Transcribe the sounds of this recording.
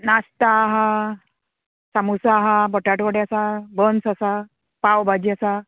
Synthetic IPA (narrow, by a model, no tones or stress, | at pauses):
nast̪aɦa | samusaɦabəʈaʈʋəɽeasabənsasa | pawbad͡ʑiasa